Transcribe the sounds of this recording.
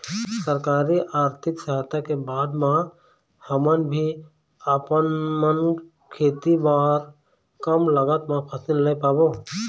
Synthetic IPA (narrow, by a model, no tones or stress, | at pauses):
səɾkaːɾiʔaːɾt̪ʰɪksaɦt̪akebaːd̪mã | həmənbʱi | əpənmən | kʰeːt̪ibaːɾ | kəmləɡət̪mãpʰəsɪllepaːbo